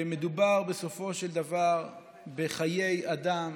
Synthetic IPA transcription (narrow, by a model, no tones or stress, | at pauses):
med̪ubaʁbe̞so̞fo̞ʃeld̪avaʁ | beχaje̞jad̪am